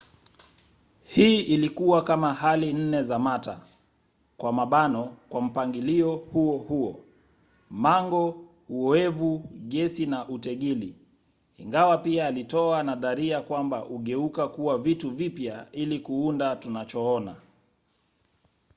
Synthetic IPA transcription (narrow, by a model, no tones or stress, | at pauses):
hiːilikuwakamahalin̩nɛzamata̰ | kwamaɓanɔkwam̩paŋɡiliɔhuɔhuɔ̰ | maŋɡɔ | uɔɛvuɠɛsinaʔutɛɠili | iŋɡawapiaːlitɔanaðaɾiakwambaʔuɠɛukakuwavituvipjailikuundatunat͡ʃɔɔna